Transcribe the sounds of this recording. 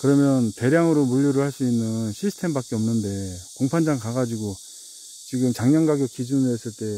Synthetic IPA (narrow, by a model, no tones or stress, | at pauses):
kɯɾʌmjʌnte̞ɾjaŋɯɾomuʎːiɾɯɭhaɭs͈uinːɯnɕʰisʰɯ̥tʰe̞mbak͈eʌmnɯnde̞koŋpʰand͡ʑaŋkaɡad͡ʑiɡo | t͡ɕiɡɯmt͡ɕaŋɲʌŋɡaɡjʌk͈id͡ʑunɯes͈ɯɭt͈e̞